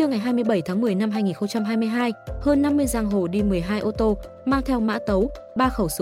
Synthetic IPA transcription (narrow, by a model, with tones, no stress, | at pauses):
ɨ˧əŋa˨˩jɦaː˧jmɨ˧əjɓə˧˩jt̪ʰaː˨˦ŋmɨ˨˩əjna˧mhɦaː˧jŋi˨˩nxə˧wŋ͡mt͡ɕa˧mɦaː˧jmɨ˧əjɦaː˧jhəː˧nːa˧mːɨ˧əjzaː˧ŋɦo˧˩ɗi˧mɨ˨˩əjɦaː˧jʔo˧t̪o˧ | maː˧ŋt̪ʰɛ˧wma̰ː˧˥t̪ə˨˦w | ɓaː˧xə˧˩wsɨ˨˦